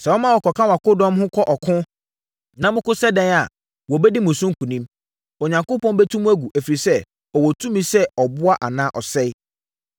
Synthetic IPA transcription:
sɛ˨wɔ˦mã˦wɔ˨kʰɔ˨kʰã˦wa˨kʊ˦dɔ̃˦mhʊ̃˦kʰɔ˦ʔɔ˨kʰʊ̃˦ | nã˨mʊ̃˦kʊ˦sɛ˦dɛ̃˦na˨ | wɔ˨bɛ˦di˦mʊ̃˨sʊ̃˦ŋ̩˦kʰũ˨nĩ˦m | o˨ɲã˨ŋkʊ˦pɔ̃˦nbɛ˦tʰũ˦mũ˦æ˦ɡu˨ʔæ˨fi˨ɾi˨sɛ˦ | ɔ˨wɔ˨tʰũ˦mĩ˦sɛ˦ɔ˨bʊ˦a˦ʔa˨nã˦ʔɔ˨sɛ˦ɪ˦

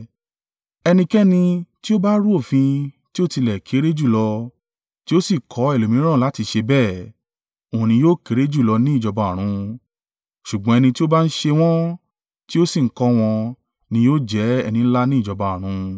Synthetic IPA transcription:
ɛ˧nĩ˧kɛ˦nĩ˧ti˦o˦ba˦ɾu˦o˦˨fĩ˧ | ti˦o˦˨ti˧lɛ˨kʰe˨˦ɾe˦d͡ʒu˦˨lɔ˧ | ti˦o˦si˦˨kʰɔ˨˦ɛ˦˨lo˨mĩ˨˦ɾ̃ã˦˨la˨˦ti˧ʃe˧bɛː˦˨ | õ˨nĩ˧joː˦˨ke˨˦ɾe˦d͡ʒu˦˨lɔ˧nĩ˦i˦˨d͡ʒɔ˧ba˨ɾ̃ũ˨˧ | ʃu˨ɡ͡bɔ̃˨˦ɛ˧nĩ˧ti˦o˦ba˦n̩˦ʃe˧w̃ɔ̃˦ | ti˦o˦si˦˨ŋ̩˦kɔ˧˦w̃ɔ̃˧ | nĩ˧joː˦d͡ʒɛ˨˦ɛ̰˧nĩ˧n̩˦la˦nĩ˦i˦˨d͡ʒɔ˧ba˨ɾ̃ũ˧

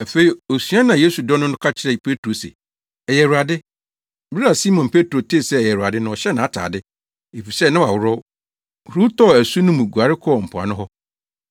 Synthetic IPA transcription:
æ˨fe˨˦i˨o˨sɥã˦nã˨jeː˦su˨dɔ˦nʊ̃˦nʊ̃˦kʰa˦t͡ɕʰɪ˦ɾɛ˨pʰe˦tʰɾo˨sḛ˨ | ɛ˨jɛ˨ɾu˨a˨dɪ˦ | bɪ˦ɾa˦a˨si˦mɔ̃˨npʰe˦tʰɾo˨tʰeː˦˨sɛ˦˨jɛ˨ɾu˨a˨dɪ˦nã˨ɔ˨ɕɛ˦nã˨a˦˨tʰa̰ː˨dɪ˦ | e˨fi˨sɛ˦˨nã˦wa˨wʊ˦ɾʊ˦˨ | hɾu˦tʰɔ˦˨æ˨su˦nʊ̃˦mũ˨ɡu˨a˨ɾɪ˦kʰɔ˦˨m̩˨pʰʊ˨a̰˨nʊ̃˦ɦɔ˦

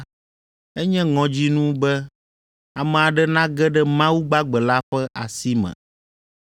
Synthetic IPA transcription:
ɛ˦ɲɛ̃˦ŋɔ̃˨d͡ʑi˦nũ˦bɛ˦ | a˨mɛ̃˨a˨ɖɛ˦nã˦ɡɛ˦ɖɛ˦mã˦wu˦ɡ͡ba˦ɡ͡bɛ˨la˦ɸɛ˦ʔa˨si˦mɛ̰̃˨

